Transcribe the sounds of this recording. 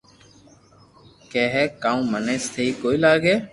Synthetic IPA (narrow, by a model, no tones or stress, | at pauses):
keːɦɛːkaːũːməneːst̪ʰeiːkoːiːlaːɡeː